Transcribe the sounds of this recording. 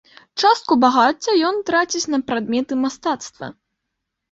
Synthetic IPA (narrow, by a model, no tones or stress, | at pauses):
t͡ʂast̪̚kubaɣat͡sʲːɐjɔnt̪ɾat͡sʲit͡sʲnɐpɾad̪mʲɛt̪ɨmast̪at̪st̪vɐ̰